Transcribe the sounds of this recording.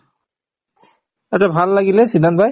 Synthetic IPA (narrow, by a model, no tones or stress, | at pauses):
asʰabʱalːaɡilɛsidʱanbaj